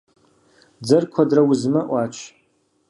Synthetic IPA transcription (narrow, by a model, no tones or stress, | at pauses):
d͡zɨrkʷʰadrawʊzmɨʔʷat͡ʃʰ